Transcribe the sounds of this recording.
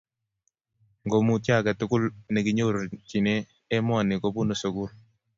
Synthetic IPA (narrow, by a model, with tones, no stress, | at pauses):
ŋɡo˨mu˨tja˦kɛ˨tʊkʊ˦lne˨ki˨ɲo˦ɾt͡ʃi˨neː˦ | mɔ˦a˨nɪ˨kobu˦no˨so˨ku˦ɾ